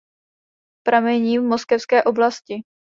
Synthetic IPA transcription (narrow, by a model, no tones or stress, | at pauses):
pɾʔamɛɲiːvmoskɛfskɛːʔo̞blascɪ